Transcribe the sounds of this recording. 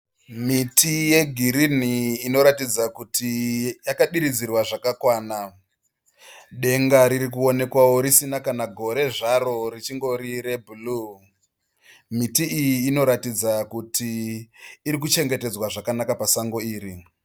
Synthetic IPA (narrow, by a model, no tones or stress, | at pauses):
mitʰije̞ɡʱiɾiniːno̞ɾatid͡zakutʰijakaɗiɾid͡zirwaʐakakwaːna | ɗe̞ŋɡaɾiɾikuo̞ne̞kwawo̞ɾisinakanaɡʱo̞ɾe̞ʐaɾo̞rit͡ʃiŋɡo̞ɾire̞bʱulu | mitiːjiːno̞ɾatid͡zakutʰiː | ɾik̬ut͡ʃe̞ŋɡe̞te̞d͡zwaʐakanakapasaŋɡo̞iːɾi